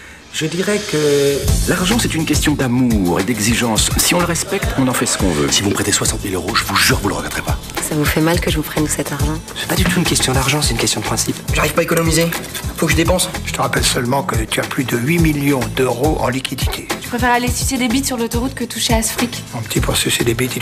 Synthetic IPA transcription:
ʒəd̪iʁɛkəlaʁʒɑ̃sɛt̪ynkʲɛst̪jɔ̃d̪amuʁḛd̪ɛɡziʒɑ̃sːiɔ̃ləʁɛspɛkt̪ɔ̃nɑ̃fɛsə̥kɔ̰̃vø̰sivumpχet̪eswasɑ̃t̪milø̰ʁoʒəvuʒyʁkəvuləʁə̰ɡaʁd̪ʁɛpa | savufɛmalkəʒəvupχɛnsɛt̪aʁʒɑ̃ə̥fɛ̥pad̪yt̪uːnkʲɛst̪jɔ̃d̪aʁʒɑ̃sɛt̪ynkʲɛst̪jɔ̃d̪əpχɛ̃sipʒaʁiv̥paekɔnɔmizefokəʒəd̪epɑ̃sʒət̪əʁapɛlsœlmɑ̃kət̪yaplyd̪əɥimiljɔ̃d̪øʁoʔɑ̃likʲʰid̪it̪ʰet̪y̥pχefɛʁalesysed̪ebit̪syʁlot̪ɔʁut̪̚kət̪uʃeafχikʲɔ̃pət̪ʰipuʁsised̪ebit̪e

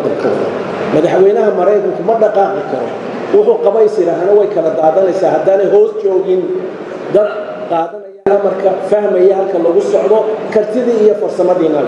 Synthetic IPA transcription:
d̪ɐrkʰɔ̰ːðɐ̰ | mɐðɑħwɛjnɐɦɐmɐɾɛjd̪mʊkʰʊmɐɖɑqɑːqɪkʰɐɾɔ | wʊħʊqɑβɛjsɪɾaɦanɐwɛjkʰɐlɐd̪aːðɐnɛjsaːhɐd̪aːnɛjɦɔːst͡ʃɔːɣɪn | d̪ɐd | qɑːðɐnɐjanɐmɐrkʰɐfɐhmɛjɛhɐlkʰɐlɐɣʊsɔʕðɔkʰɐrt̪ʰɪðiːijɔfɐrsɐmɐðiːnɐl

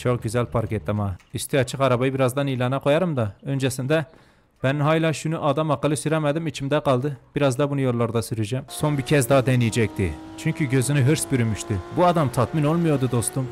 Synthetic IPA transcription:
t͡ʃʰoq̚ɟyzɛlʲpʰaɾcʰɛt̪ːamaist̪ʰiɑt͡ʃʰɯqɑɾabajɯbiɾazd̪ɑnilˠɑːnaqʰo̞jɑɾɯmd̪ɑø̞nd͡ʒɛsind̪ɛ | b̥ɛninɦaːjlʲˠaːʃunuʔad̪ɑmɑqːɯlˠɯsyɾɛmɛd̪imit͡ʃʰimd̪ɛqʰɑlˠd̪ɯb̥iɾazd̪ɑbunujo̞lˠːaɾd̪asyɾyd͡ʒɛmso̞nbicʰɛzd̪ɑd̪ɛnijɛd͡ʒɛc̚t̪ḭ | t͡ʃʰyɲcʰyɟøzynyɦɯɾsbyɾymyʃt̪ʰybuad̪ɑmt̪ʰɑt̪mino̞lˠmujoɾd̪ud̪o̞st̪um

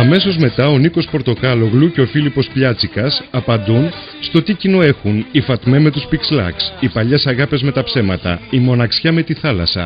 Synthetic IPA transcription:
ɐme̞so̞zme̞t̪ɐo̞niko̞spo̞ɾt̪o̞kɐlo̞ɣluceo̞filipo̞spʎɐt͡sikɐsɐpɐnd̪un | st̪o̞t̪icino̞e̞xunifɐt̪me̞me̞t̪uspikslɐ̰ksipɐʎesɐɣɐpe̞zme̞t̪ɐpse̞mɐt̪ɐ̰imo̞nɐksçɐme̞t̪iθɐlɐ̰sɐ̰

